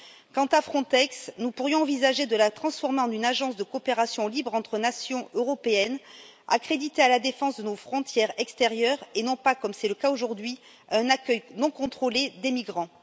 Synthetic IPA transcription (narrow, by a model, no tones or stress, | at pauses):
kɑ̃t̪afχɔ̃t̪ɛksnupuʁjɔ̃ɑ̃vizaʒed̪əlat̪χɑ̃sfɔʁmeɑ̃d̪ynaʒɑ̃sd̪əkɔːpeʁasjɔ̃libʁɑ̃t̪χənasjɔ̃øʁɔpeɛn | a̰kχed̪it̪ealad̪efɑ̃sd̪ənofχɔ̃t̪jɛʁɛkst̪eʁjœʁenɔ̃pakɔmsɛləkaoʒuʁd̪ɥi | ɛ̃nakœjnɔ̃kɔ̃t̪χoled̪emiɡʁɑ̃